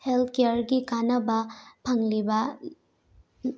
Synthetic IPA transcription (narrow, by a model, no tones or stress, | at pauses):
helt̪̚ʰkejaɾɡikanɐbɐpʰaŋlibɐ